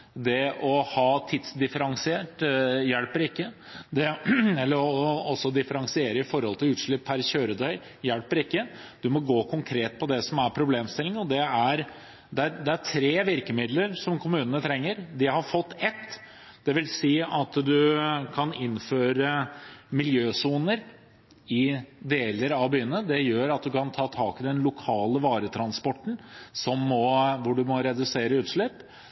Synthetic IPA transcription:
d̪ɛɔhɑːt̪ʰɪt̪sd̪ɪfəɾɑŋsɪeːʈjɛlpəɾɪkːə | d̪ɛɛlːəɾɔɔsːɔd̪ɪfəɾɑŋsɪeːɾəɪfɔɾhɔlt̪ʰɪlʉːt̪ʂɭʏpʰːæɾɕøːɾəd̪œʏ | jælpəɾɪkːəd̪ʉmɔɡoːkʰʊŋkʰɾeːt̪̚pʰɔd̪ɛsɔmæɾpʰɾʊbleːmst̪ɪlɪŋɔd̪ɛæɾ | d̪ɛæɾd̪ɛæʈʰɾeːʋɪɾkəmɪd̪ləɾsɔmkʰʊmʉːnənət̪ʰɾɛŋːəɾd̪ɪhɑɾfɔt̪ːɛt̪ː | d̪̥ɛʋɪlsiːɑt̪d̪ʉkʰɑnɪnføːɾəmɪljøːsuːnəɾ | ɪd̪eːləɾɑʋbyːənəd̪ɛjøːɾɑt̪̚d̪ʉkʰɑnt̪ʰɑːt̪ʰɑːkɪd̪ɛnlʊkʰɑːləʋɑːɾət̪ʰɾɑnspɔʈːn̩sɔmːɔʋʊɖʉmɔɾɛd̪ʉseːɾəʉːt̪ʂɭɛpː

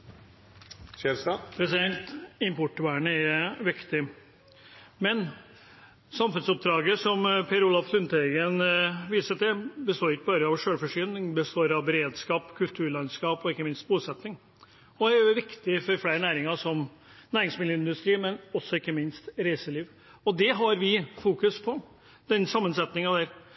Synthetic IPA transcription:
pʰɾɛsɪd̪ɛnt̪ɪmpɔʈʋæːɳəɛɾʋɪkt̪ɪ | mɛn | sɑmfʉnsʊp̚d̪ɾɑːɡəsɔmpʰeːɾulɑflʉnt̪ɛɡənʋiːsət̪ɪbəst̪oːɾɪkːəbɑːɾəɑʋʂøːɽfɔʂyːnɪŋbəst̪oːɾɑʋbɛɾeːd̪skɑːpkʰʉlt̪ʰʉːɾɭɑnskɑːpɔɪkːəmɪnst̪̚buːsɛt̪nɪŋ | ɔæʋɪkt̪ɪfɔɾfɽæɪɾnæːɾɪŋɑʂɔm | næːɾɪŋsmɪd̪jəɪnd̪ʉst̪ɾiːmɛnɔsːɔɪkːəmɪnst̪ɾæɪsəliːʋ | ɔd̪ɛɦɑɾʋɪfuːkʉspʰɔ | d̪̥ɛnsɑmːənsɛt̪nɪŋɑd̪æɾ

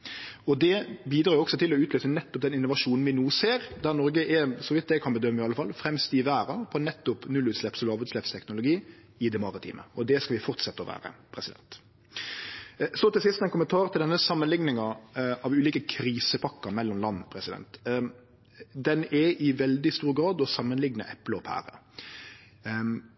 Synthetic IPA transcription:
ɔd̪ɛbiːd̪ɾɑːɾjʊɔksɔt̪ʰɪlɔʉːt̪løːsənɛt̪ːɔp̚d̪ɛnɪnːʊʋɑʂuːnn̩ʋɪnuːseːɾd̪æɾnɔɾɡəʔɛsɔʋɪt̪̚d̪ɛkʰɑnbəd̪œmːəɪɑləfɑlːfɾɛmst̪ɪʋæːɾəpʰɔnɛt̪ːʊpnʉlʉːt̪slɛpsɔlɑːʋʉːt̪slɛpst̪ʰɛknʊlʊɡiː | ɪd̪ɛmɑɾɪt̪ʰḭːmʔə̰ɔd̪ɛskɑlʋɪfɔʁt̪sɛt̪ːəɔʋæ̰ːɾə̰pʰɾɛsɪd̪ɛ̰nt̪ | sɔt̪ɪlsɪst̪ɛnkʊmənt̪ʰɑːʁt̪ɪld̪ɛnːəsɑmːənlɪŋnɪŋɑɑʋʉːliːkəkʰɾiːsəpʰɑkːəmɛlːɔmlɑnːɔpʰɾɛsɪd̪ɛ̰nt̪ | d̪ɛnɛʔɪʋɛld̪ɪst̪uːɾɡɾɑːd̪ɔsɑmːənlɪɡnə̰ʔɛpləɔpʰæ̰ːɾə̰

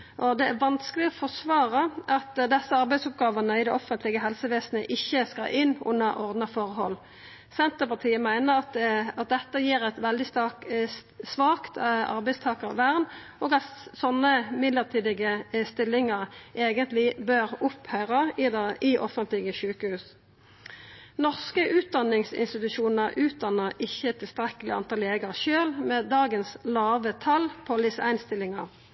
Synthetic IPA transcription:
ʔɔd̪ɛæɾʋɑnskəlɪɔfɔsʋɑːɾəʔɑt̪d̪ɛsːəɑɾbæɪsʊp̚ɡɑːʋənəɪd̪ɛʔɔfːənt̪lɪɡəɦɛlsəʋeːsnə̰ʔɪçːəskɑ̰ʔɪnːʊ̰nːəɾʔɔʁd̪nɑfɔʁhɔlː | sɛnt̪əpɑt̪ʰiːəmæɪnəɾɑt̪ɑt̪̚d̪ɛt̪ːəjiːɾɛt̪ʋɛld̪ɪst̪ɑksʋɑːkt̪ɑ̰ɾbæɪst̪ʰɑːkəʁʋæʁnʔɔːɡɑt̪sɔnːəmɪd̪ləʁt̪ʰiːd̪ɪɡəst̪ɪlːɪŋəʁʔeːɡənt̪lɪbøʁʊphœʏʁəd̪ɪʔɔ̰fənt̪lɪɡəʃʉːkəhʉːs | nɔʁskəʔʉːt̪̚d̪ɑnɪŋsɪ̰nst̪ɪt̪ʉʃuːnəʁʔʉːt̪̚d̪ɑnːəʁɪçːət̪ʰːɪlst̪ʁɛkːəlɪɑ̰nt̪ʰɑːleːɡəʁʃøːlmɛd̪ɑːɡənslɑːʋət̪ʰɑlpʰɔlɪsæ̰ɪnst̪ɪlɪŋɑʁ

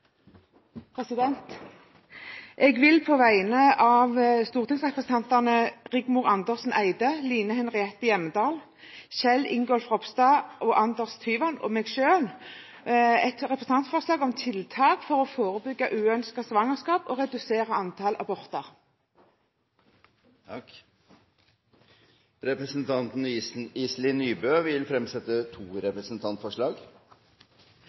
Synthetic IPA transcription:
pʰʁɛsɪd̪ɛnt̪ | ʔɛːɡʋɪlpʰoːʋæɪnəʔɑːʋst̪uːʁt̪ɪŋsʁɛpʁəsn̩ʰɑnt̪ɑʁnəʁɪɡmʊːʁɑnd̪əʁsn̩æɪd̪əliːnəhɛnʁɪɛt̪ːəjɛmːəd̪ɑːl | ʃɛlːɪ̰ŋɡɔlfʁɔpst̪ɑːʔoːʔɑnd̪əʁst̪ʰyːʋɑno̰ːmɛːɡʃøːl | ɛt̪ʁɛpʁɛsn̩ɑnt̪fɔʁslɑːɡɔmt̪ʰɪlt̪ʰɑːkfɔʁɔfoːʁəbʏɡːɑʔʉːœnskɑsʋɑŋəʁskɑːpɔːʁɛd̪ʉseːʁɑɑnt̪ʰɑlʔɑ̰bɔʁt̪ɑʁ | ɾɛpɾəsnt̪ʰɑnt̪n̩ːs̩iːslɪnyːbøːʋɪlfɾɛmsɛt̪ːət̪ʰuːɾɛpɾəsnt̪ʰɑnt̪fɔʂɭɑːɡ

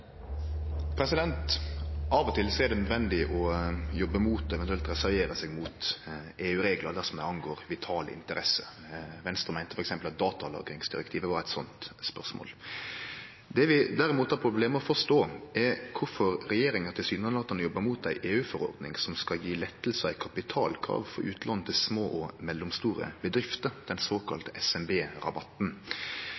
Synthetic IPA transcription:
pʰɾɛsɪd̪ɛnt̪ɑʋɔt̪ʰɪlsɔɛɾd̪ɛnœd̪ʋɛnd̪ɪʔɔjɔbːəmuːt̪ɔɛʋɛnt̪ʉɛlt̪ɾɛsæɾʋeːɾəsɛɡmuːt̪ | eːʉːɾeːɡlɑd̪æsɔmd̪æɪɑnɡoːɾʋɪt̪ʰɑːlə̰ɪ̰nt̪əɾɛsə | ʋɛnst̪ʁəmæɪnt̪əfɔɾɛksɛmpəlɑt̪̚d̪ɑːt̪ɑlɑ̰ːɡɾɪŋsd̪ɪɾɛkt̪ʰiːʋəʋɑɾæɪt̪sɔnt̪spœʁʂmo̰ːl | d̪ɛʋɪd̪æɾɪmuːt̪hɑɾpʰɾʊbleːməɔfɔʂt̪oːɛkʰʊɾfɔɾɾɛjeːɾɪŋɑt̪ʰɪlsyːd̪nɑnɑt̪ːɑnjɔbːəmuːt̪æɪʔeːʉːfɔɾɔ̰ɾd̪nɪ̰ŋsɔmskɑljiːlɛt̪ːlsəæɪkʰɑpɪt̪ʰɑ̰ːlkʰɾɑ̰ːʋfɔɾʉːt̪lɑn̩ːət̪ʰɪlsmoːʔɔmɛlːʊmst̪uːɾə̰bəd̪ɾɪft̪əɾd̪̥ɛnsoːkʰɑ̰lt̪əʔɛsɛmbeːɾɑ̰bɑt̪n̩

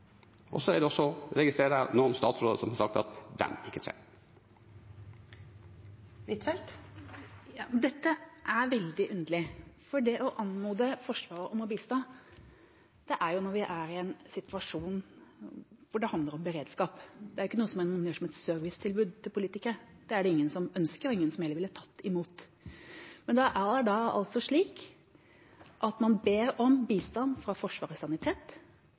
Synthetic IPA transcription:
ʔɔ̰sɔæɖ̪ɛɔsːɔɾɛɡɪst̪ɾeːɾənoːɔmst̪ɑːt̪sɾoːd̪əsɔmhɑʂɑkt̪ɑ̰t̪d̪ɛ̰nɪkːət̪ʰɾḛː | ʋɪt̪fɛlt̪ | jɑːd̪ɛt̪ːəʔæɾʋɛld̪ɪʔʉnd̪əlɪfɔɖɛʔɔʔɑnmuːd̪əfɔʂʋɑːɾəʔɔmʊbiːlst̪ɑː | d̪̥ɛʔæɾjʊnɔɾʋɪʔæɾɪɛnsɪt̪ʰʋɑʂuːn | ʋʊɖɛhɑnd̪ləɾɔmbəɾeːd̪skɑːpd̪ɛæɾjɪkːənuːəsɔmæmɑnjøːʂɔmɛt̪sœɾʋɪst̪ʰɪlbʉːd̪̚t̪ʰɪlpʰʊliːt̪ɪkəd̪̥ɛæɖɛɪŋːənsɔmœnskəɾɪŋːənsɔmhɛləʋɪlːət̪ʰɑt̪ːɪmuːt̪ | mɛnd̪ɛʔæɖɑɑ̰lt̪sɔʂɭiːk | ʔɑt̪mɑnbeːɾɔmbiːst̪ɑnːfɾɑfɔʂʋɑːɾsɑnɪt̪ʰeːt̪

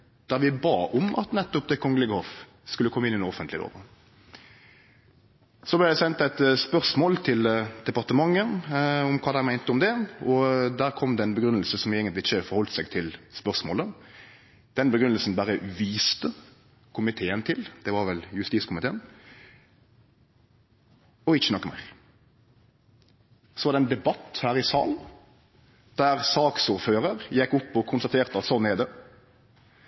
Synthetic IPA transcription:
d̪̥æʁʋɪbɑːʔɔmɑ̰t̪nɛt̪ːʊp̚d̪ɛkʰɔŋːəlɪɡəhɔf | skʉlːəkʰɔmːɪnɪɛnɔfənt̪lɪd̪o̰ːʋə | sɔblɛd̪ɛsɛnt̪æɪt̪spœʁsmoːlt̪ʰɪld̪̥ɛpɑʁt̪əmɑŋːəʊmkʰɑːd̪æɪmæɪnt̪əʊmd̪ɛɔd̪æːʁkʰɔmd̪ɛɛnbəɡɾʉnːəlsəsɔmeɪɡənt̪lɪɪçːəfɔɾhɔlt̪sæɪɡt̪ʰɪlspœʁsmoːlə | d̪̥ɛnbəɡɾʉnəlsn̩bæɾəʋiːst̪ə | kʰʊmɪt̪ʰeːənt̪ʰɪld̪̥ɛʋɑɾʋɛljʉst̪iːskʰʊmɪt̪ʰeːən | ɔɪçːənɔkːəmæ̰ɪɾ | sɔʋɑɾd̪ɛnd̪ɛbɑt̪ːhæːɾɪsɑ̰ːln̩ | d̪̥æɾsɑːksuːɾføːɾəɾjɛkːʊpːɔkʰʊnst̪ɑt̪ʰeːʁt̪əɑt̪sɔnːɛd̪ə

